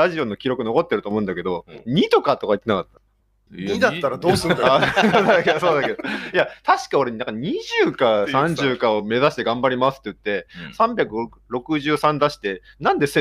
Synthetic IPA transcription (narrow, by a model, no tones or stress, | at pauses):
aʑio̞no̞kʲiɾo̞kɯ̟no̞ko̞t̪ːe̞ɾɯ̟omo̞ɯ̃nd̪ake̞d̪o̞ɲ̟it̪o̞kat̪o̞kait̪ːenakat̪ːḁ | id̪aaɾad̪oːsɨaad̪aked̪oso̞ːd̪ake̞d̪ojat̪aɕi̥kaoɾeɲinãŋkaɲ̟iʑɨːkãsãɲd͡ʑɨːkão̞me̞zaɕi̥t̪e̞ɡãmbaɾʲimasɨ̥t̪ːeɯ̟t̪ːe̞sãmbʲakɯ̟ɾo | ɾo̞kɯ̟ʑɨːsãnd̪aɕi̥t̪e̞ | nãnd̪e̞se